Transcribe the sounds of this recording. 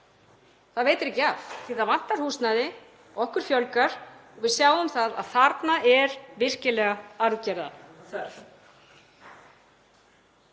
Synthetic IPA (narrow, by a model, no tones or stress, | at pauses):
θaðveːjt̪ɪɾɛcːɪaθθiθaðvan̥t̪aɾ̥huːsnaðɪ | ɔɔhkʏɾ̥fjœlkaɾ̥ɔɣvɪðsjaːwʏmθaða̰ðθaɾt̪naʔɛɾvɪr̥cɪlɛːɣaaɾðcɛɾða̰